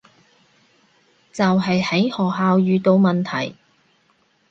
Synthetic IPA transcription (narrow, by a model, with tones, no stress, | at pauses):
t͡sɐ˨wɦɐ˨jhɐ˨˥jhɔː˨˩k̚ɦaː˨˧wjyː˨˧t̪o˧wmɐ˨nt̪ʰɐ̰˨˩j